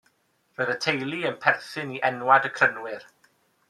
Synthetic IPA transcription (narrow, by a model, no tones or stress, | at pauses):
rəðətʰejlˠiənpʰɛrθɨniʔɛnwadəkʰrənwɪr